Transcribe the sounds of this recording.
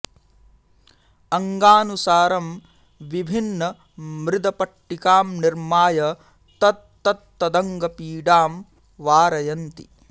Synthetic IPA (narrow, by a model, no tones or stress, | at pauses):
ɐŋɡaːnusaːɾɐm | ʋibʱinːɐ | mɾɪd̪ɐpɐʈːikaːmniɾmaːjɐ | t̪ɐt̪̚t̪ɐt̪ːɐd̪ɐŋɡɐpiːɖaːm | ʋaːɾɐjɐnt̪ḭ